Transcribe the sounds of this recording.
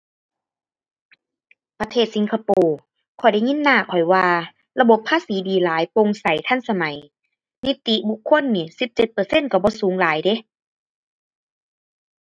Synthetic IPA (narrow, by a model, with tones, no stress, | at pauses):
pa˧t̪ʰeː˧˥˩t̪̚si˨˦ŋkʰa˧poː˧ | kʰɔ˨˩jda˧˩jŋi˧˥˨nːaː˧˩˨kʰɔ˨˩jwaː˧ | la˧bo˧˦pʰːaː˧˥˨siː˨˦diː˨˦laː˨˦jpo˧˨ŋsa˨˦jt̪ʰa˧˥˨nsa˧ma˨˦j | ni˧˥t̪i˧˦bu˧˦kʰːo˧˥˨nːiː˧˩si˨˧˦p̚t͡ɕe˧˦t̪̚pɤː˧˦se˧˥˨nka˧˩bɔː˧˦suː˨˦ŋlaː˨˦jde˧˦